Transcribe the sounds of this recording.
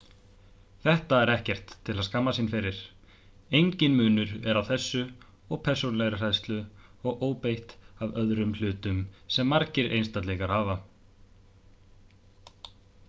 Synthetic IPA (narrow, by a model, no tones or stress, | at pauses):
θɛht̪aɛɾɛhcɛr̥t̪ʰːɪlaðskamːasinfɪɾɪɾ̥ | ejɲcɪnmʏːnʏɾɛɾawθɛsːʏ | ɔɣpʰɛ̥sonlɛɣɾʏr̥ajst̪lʏɔɣoːwpejht̪avœðɾʏml̥ʏːt̪ʏmsɛmːaɾcɪɾʔḛjnst̪at̪lɛɣaɾ̥haːva